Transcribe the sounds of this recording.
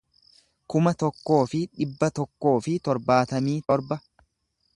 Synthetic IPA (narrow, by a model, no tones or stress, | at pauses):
kʊmɐt̪ɔkːo̞ːfɪᶑɪbːɐt̪ɔkːo̞ːfɪt̪ɔɾbaːt̪ɐmiːt̪ɔɾbɐ